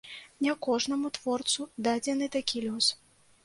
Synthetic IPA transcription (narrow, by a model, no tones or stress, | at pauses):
nʲɛkɔʐnɐmut̪vɔrt̪sud̪ad͡zʲɛnɨt̪akʲilʲus